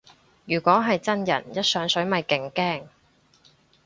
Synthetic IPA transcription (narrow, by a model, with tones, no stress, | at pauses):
jyː˨˩kʷɔː˨˥ɦɐ˨jt͡sɐ˥njɐ̰˨˩njɐ˥t̚sœː˨˥ŋsɵ˨˥ɥmɐ˨jkɪ˨˩ŋkɛː˥˩ŋ